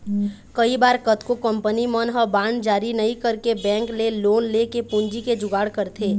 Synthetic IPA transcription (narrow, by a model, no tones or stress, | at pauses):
kəibaːɾkət̪kokə̃mpənimənɦəbaːɳd͡ʒaːɾinɐɦĩkəɾkebɛ̃ːŋkleloːnlekepʊ̃nd͡ʒiked͡ʒʊɡaːɽkəɾt̪ʰeː